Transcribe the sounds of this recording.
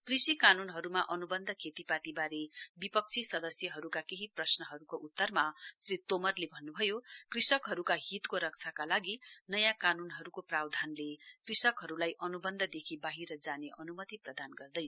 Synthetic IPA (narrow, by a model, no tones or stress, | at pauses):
krisikanunɦʌɾumaʔʌnubʌnd̪ʱʌkʰet̪ipat̪ibaɾebipʌk̚t͡sʰisʌd̪ʌsjʌɦʌɾukakeɦiprʌsnʌɦʌɾukoʔut̪ːʌrmasrit̪omʌrlebʱʌnːubʱʌjokrisʌkɦʌɾukaɦit̪koɾʌk̚t͡sʰakalaɡinʌjãkanunɦʌɾukoprawd̪ʱanlekrisʌkɦʌɾulajʔʌnubʌnd̪ʱʌd̪ekʰibaɦiɾʌd͡zaneʔʌnumʌt̪iprʌd̪anɡʌrd̪ʌj